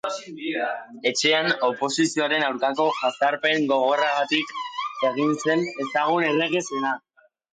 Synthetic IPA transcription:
e̞t͡ʃe̞ano̞po̞sisio̞aɾe̞nawɾkako̞ʝasaɾpe̞ŋɡo̞ɣ̞o̞raɣat̪ike̞ɣinse̞ne̞saɣ̞une̞leɣesena

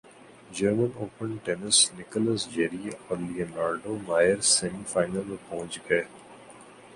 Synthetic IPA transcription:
d͡ʒəɾmənoːpənʈɛnɪsnɪkələsd͡ʒeɾieɔːɾliənaːɾɖomaːjəɾsemifaːɪnəlmẽpɐɦʊ̃t͡ʃɡɐeː

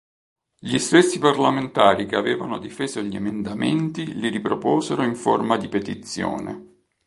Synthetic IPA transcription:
ʎist̪ɛsːiparlament̪aːɾikeavɛːvanod̪ifeːzoʎiemend̪amḛnt̪iliɾipɾopɔːzeɾoiɱfo̰rmad̪ipet̪it̪sːjo̰ːnḛ

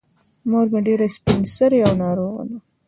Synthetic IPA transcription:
moɾmeɖeɾaspinsəɾeawnɑɾoːɣa̰na

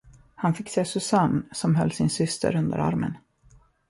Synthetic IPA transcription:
hanfɪkːseːsɵsansɔmɦœlːsɪnsʏst̪ʰə̰ɾɵnd̪ə̰ɾa̰ɾmə̰n

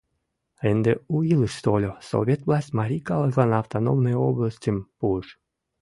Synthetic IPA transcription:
ɛnd̪euilˠɨʃst̪olʲoso̰vʲet̪vlˠasʲt̪ʲmaɾʲikalˠazlˠanaːft̪anomnɔjoblˠasʲt̪ʲimpuʃ

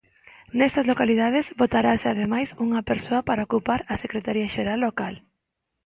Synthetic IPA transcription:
nɛst̪ɐzlokalið̞að̞ezbot̪aɾasɪaðemajsuŋɐpeɾsoɐpaɾaokupaɾɐsekɾet̪aɾiaʃeɾalːokal

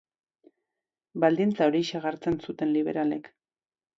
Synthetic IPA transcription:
bald̪int͡sao̞ɾiʃaɣaɾt͡se̞nsut̪e̞nliβ̞e̞̰ɾale̞k

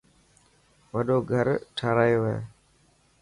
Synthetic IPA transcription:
ʋəɗoːɡʱəɾʈʰaːɾaːjoːʋḛː

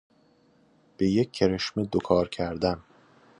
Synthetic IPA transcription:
b̥ejekʰːeɾeʃmed̪okʰɒːɾcʰæɾd̪æm

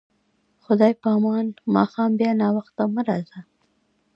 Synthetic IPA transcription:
xʊd̪ɑjpəɑmɑnmɑ̰xɑmbjɑnɑwaxt̪aməɾɑza

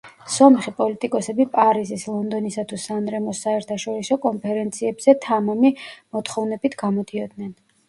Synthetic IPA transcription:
sɔmχipʼɔlit̪ʼikʼɔsɛbipʼaɾizislˠɔnd̪ɔnisat̪ʰusanɾɛmɔsːaɛɾt̪ʰaʃɔɾisɔkʼɔnpʰɛɾɛnt̪sʰiɛbz̥ɛt̪ʰamamimɔt̪ʰχɔvnɛbit̪ʰɡ̥amɔd̪iɔd̪nɛn

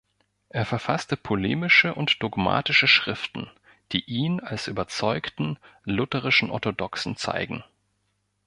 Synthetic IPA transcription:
ʔeːɐfɛɐfastəpʰolḛːmɪʃəʔʊntd̥ɔɡma̰ːtɪʃəʃʁ̥ɪftn̩ | d̥iːʔiːnalsʔyːbɐt͡sɔʏktn̩lʊtəʁ̞ɪʃn̩ʔɔ̰ɐtodɔksn̩t͡sa̰ɪɡŋ̩

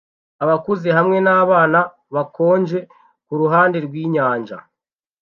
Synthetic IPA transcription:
aβakuze̞ɦamŋe̞naːβaːna | βako̞ːɲd͡ʒe̞ | kuɾuɦaːnde̞ɾɡwiːɲaːɲʒa̰

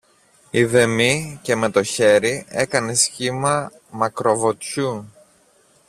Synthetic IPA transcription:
iðe̞mice̞me̞t̪o̞çe̞ɾie̞kɐne̞sçimɐ | mɐkɾo̞vo̞t̪çu

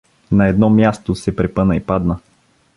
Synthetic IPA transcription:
nɐɛd̪nɔmʲjast̪osɛpɾɛpɤnəipad̪nə

